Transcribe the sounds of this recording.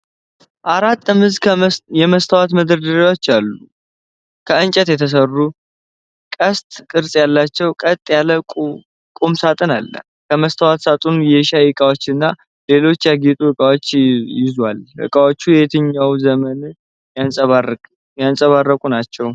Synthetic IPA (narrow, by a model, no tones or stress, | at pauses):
ʔaɾat̪ːɨmɨzkʰjɛməst̪ʰəwat̪məd̪əɾd̪əɾiwot͡ʃːalːu | kʰəɨnt͡ʃʼɛt̪jɛt̪ʰəs̬ərːu | kʼəst̪ʼkʼɨɾsʼjalːat͡ʃːɛwkʼət̪ʼːjalə | kʼumsat̪ʼɨnalːə̰ | kʰəməst̪ʰəwat̪sat̪ʼunjɛʃajɪkʼawot͡ʃːɨnːa | le̞lo̞t͡ʃːjaɡit̪ʼuɨkʼawo̞t͡ʃːjɪzwalɨ̰kʼawot͡ʃːujɛt̪ʰɨɲːawzəmən | jansʼəβa | jansʼəβarːəkʼunat͡ʃːɛw